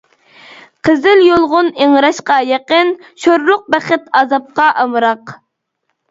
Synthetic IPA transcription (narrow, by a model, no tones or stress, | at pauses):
qʰəzɪljolˠʁʊneŋɾɑʃqɑjeqənʃoɾlˠʊq̚bɛχɪt̪ʰɑzɑp̚qɑʔɑmɨɾɑq